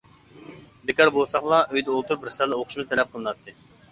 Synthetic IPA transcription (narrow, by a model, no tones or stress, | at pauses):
bekʲɑɾbolˠsɑχlˠɑʔøjd̪ɛolˠt̪uɾbɪɾsɛlːˠɛoqʰʊʃmɨt̪ʰɛlɛp̚qʰəlˠɨnɑt̪ʰːɨ